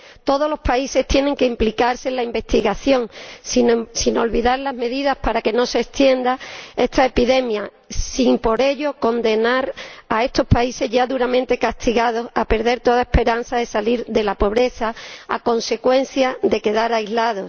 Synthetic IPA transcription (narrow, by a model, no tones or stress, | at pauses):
t̪o̞ð̞o̞lo̞spaise̞ht̪je̞ne̞ŋke̞implikaɾsenlaimbe̞st̪iɣaθjo̞ŋsinsino̞lβiðaɾlazme̞ðiðahpaɾake̞no̞se̞ːst̪je̞nd̪ae̞st̪aepiðe̞mja | simpo̞ɾe̞ʎo̞ko̞nd̪e̞naɾae̞st̪o̞spaise̞ɦʝaðuɾamẽ̞nt̪e̞kast̪iɣað̞o̞sape̞ɾðe̞ɾt̪o̞ðaehpe̞ɾan̟θaðe̞saliɾðe̞lapo̞β̞ɾe̞θaa̰ko̞nse̞kwe̞n̟θjaðe̞ke̞ðaɾajzlaðo̞